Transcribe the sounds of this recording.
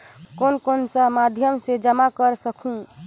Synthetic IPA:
konkonsə̃mad̪ʱjəmsed͡ʒəmakəɾsəkʰũ

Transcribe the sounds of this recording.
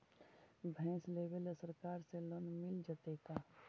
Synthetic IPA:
bʱɛ̃ːsleːʋələsəɾkaːɾseloːnmɪld͡ʒət̪eːkaː

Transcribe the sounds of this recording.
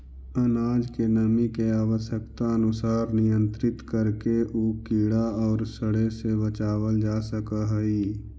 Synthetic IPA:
ənaːd͡ʒkenəmikeaːʋəsjəkt̪aənʊsaːɾnɪjə̃nt̪ɾɪt̪kəɾkeʔoːkiːɽaɔːɾsəɽesebət͡ʃaːwəld͡ʒaːsəkaɦəiː

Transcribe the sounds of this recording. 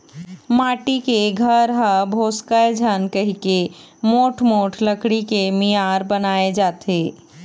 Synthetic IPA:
maʈikeɡʱəɾɦəbʱoskəed͡ʒʱənkəɦike | moʈʰmoʈʰləkɽikemijaɾbənaed͡ʒat̪ʰe

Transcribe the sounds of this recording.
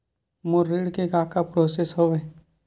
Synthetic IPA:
moɾiːɽkekaːkapɾoːsesɦoʋeː

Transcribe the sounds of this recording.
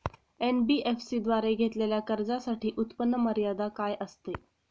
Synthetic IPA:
enbiːʔefsiːd̪ʋaɾeɡʱet̪leljakəɾd͡zasaʈiːʔut̪pənːəməɾjad̪akajʔəst̪e

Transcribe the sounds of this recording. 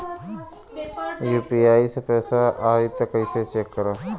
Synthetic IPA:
juːpiːaːisepɛːsaʔaːɾit̪ːɐkəiset͡ʃeːkːəɾaː

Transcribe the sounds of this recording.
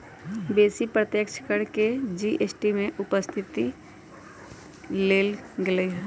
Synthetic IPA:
beːsipɾət̪jəkt͡ʃʰə̥kəɽked͡ʒiʔesʈimẽʔʊpəst̪ʰɪt̪i | leːlɡɪleɦ

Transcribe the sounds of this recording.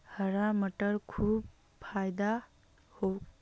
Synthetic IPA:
həɾamʌʈəɾkʰub | pʰajd̪a | ho

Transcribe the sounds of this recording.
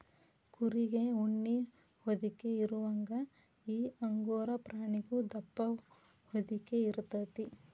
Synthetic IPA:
kuɾiɡeuɳːi | hod̪ikeiɾuʋɐŋɡɐ | iːɐŋɡoːɾɐpɾaːɳiɡud̪ɐpːɐ | hod̪ikeiɾut̪ɐt̪i

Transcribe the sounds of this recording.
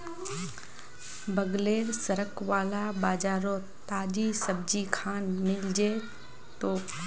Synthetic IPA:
bəɡleːɾsəɾəkʋaːlabaːd͡ʒaːɾõ | t̪aːd͡ʒisəb̚d͡ʒikʰaːnmɪld͡ʒe | t̪oː

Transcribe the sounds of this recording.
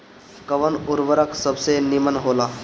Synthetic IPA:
kəʋənuɾʋəɾəksəbsenimənɦoːlaː

